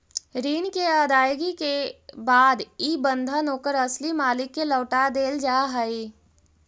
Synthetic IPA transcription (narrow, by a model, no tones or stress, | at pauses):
ɾiːnkeəd̪aːjɡikebaːd̪iːbə̃nd̪ʱənoːkəɾɐslimaːlɪkːelɔːʈad̪eːld͡ʒaːɦəi